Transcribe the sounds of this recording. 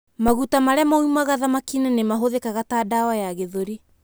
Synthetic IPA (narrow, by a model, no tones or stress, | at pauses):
maɣutamaɾɛmojmaɣaðamakinanemaɦoðekaɣataːdawajaɣeðoɾi